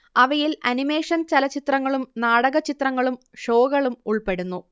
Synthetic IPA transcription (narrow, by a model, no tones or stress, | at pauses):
ɐʋɐjilɐ̰nime̞ːʂɐnt͡ɕɐlɐt͡ɕit̪rɐŋːɐɭumnaːɽɐɣɐt͡ɕit̪rɐŋːɐɭum | ʂo̞ːɣɐɭumuɭpe̞ɽunːu